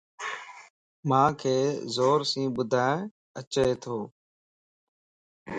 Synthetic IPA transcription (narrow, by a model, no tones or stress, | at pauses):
mãːkʰeːzoːɾsĩːbʊd̪ʱaːẽ | ət͡ʃeːt̪ʰoː